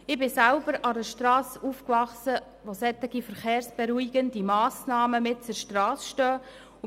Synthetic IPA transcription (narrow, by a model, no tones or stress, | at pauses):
ɪbɪsælbəɾɑɾəʃtɾɑːsufkvɑχsə | ʋosɛt̪ɪɡifəɾχeːɾsb̥ɛɾuiɡəndimɑːsnɑːməmɪtt͡sʊɾʃtrɑːsʃtœː